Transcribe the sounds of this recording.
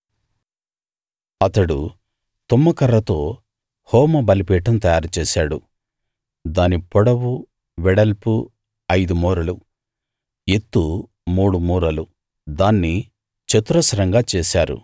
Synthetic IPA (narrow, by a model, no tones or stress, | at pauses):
ɐt̪ɐɽu | t̪umːɐkɐɾːɐt̪o̞ː | hɔːmɐbɐlipɛːʈɐmt̪ɐjaːɾut͡ʃeːsaːɽṵ | d̪aːnipɔɽɐwu | ʋɛɽɐlpu | ɐjd̪umɔːɾɐlu | et̪ːu | muːɽumuːɾɐlu | d̪aːnːi | t͡ʃɐt̪uɾɐsɐɾɐŋɡaːt͡ʃeːsaːɾṵ